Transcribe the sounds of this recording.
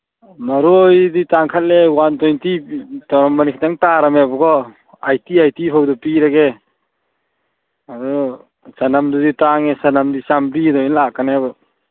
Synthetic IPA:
maɾojditaŋkʰat̚lewantɔjntitɔɾɔmbanikʰataŋtaɾamebɔɡɔ | ajtiajtipʰawdɔpiɾaɡe | adɔ | sanamduditaŋesanamdisampidɔjnlakanebɯ

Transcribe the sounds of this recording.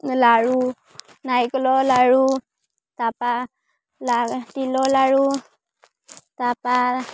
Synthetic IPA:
laɻu | najkəlolaɻu | t̪apa | lat̪ilolaɻu | t̪apa

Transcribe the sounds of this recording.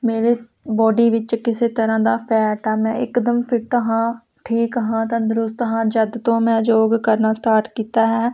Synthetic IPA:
meːɾeː | bɔːɖiːʋɪt͡ʃkɪseːt̪əɾãːd̪aːpʰɛːʈɛːmɛ̃ːɪkd̪əmpʰɪʈəɦãː | ʈʰiːkɦãːt̪ãːd̪ʊɾʊst̪ɦãːd͡ʒəd̪t̪õːmɛ̃ːd͡ʒoːɡkəɾnaːsʈaːɾʈkiːt̪aːɦɛː

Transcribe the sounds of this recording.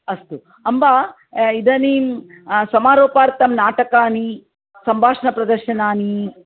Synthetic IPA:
ɐst̪u | ɐmba | id̪ɐnim | sɐmaːɾoːpaːɾt̪ɐmnaːʈɐkaːni | sɐmbʱaːʂɐnɐpɾɐd̪ɐɾʃɐnaːni

